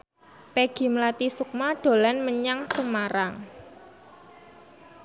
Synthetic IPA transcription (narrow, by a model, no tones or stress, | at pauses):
peɡ̥i̤mlat̪isuk̚maɖ̥o̤lanməɲaŋsəmaɾaŋ